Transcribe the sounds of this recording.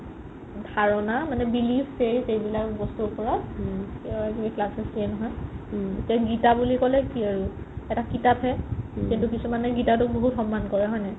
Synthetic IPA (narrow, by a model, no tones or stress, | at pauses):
dʱaɹɔnamanɛbilibseɹsejbilakbɔstuʊpɔɹɔtkɛakibiklasɛsinɔɦɔj | tiaɡitabulikɔlɛkiaɹu | ɛtakitapɦɛxintukisumanɛɡitatʊk̚boɦutxɔmːankɔɹɛɦɔjnɛ